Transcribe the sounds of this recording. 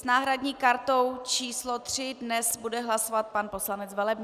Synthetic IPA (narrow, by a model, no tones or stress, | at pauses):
snaːɦɾadɲiːkaɾt̪o̞wt͡ʃiːslot̪r̝̥ɪdnɛsbudɛɦlasovat̪̚panposlanɛt͡svɛlɛbɲ